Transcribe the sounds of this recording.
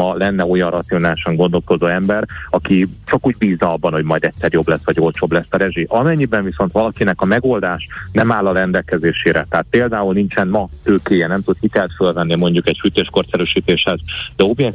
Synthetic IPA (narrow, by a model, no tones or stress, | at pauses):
ɒlɛnːɛo̞jɒnrɒt̪sio̞naːliʃɒŋɡo̞nd̪o̞lko̞zoːɛmbɛɾɒkit͡ʃɒkuːɟ̚biːznɒɒbːɒnho̞ɟmɒjd̪ɛcʲsɛɾjo̞blɛsːʋɒɟjoːlt͡ʃo̞blɛsːɒɾɛʒiʔɒmɛɲːibɛɱviso̞nt̪ʋɒlɒkinɛkɒmɛɡo̞ld̪aːʃnɛmaːlɒɾɛnd̪ɛlkɛzeːʃeːɾɛ̰t̪ɛɦat̪̚peːld̪aːulnint͡ʃɛnmɒt̪øːkeːjɛnɛmt̪ut̪hit̪ɛlt̪følvɛnːimo̞ɲɟukɛɟfyt̪eːʃkort̪sɛɾøːʃiːt̪eːʃhɛzd̪ɛo̞bjɛk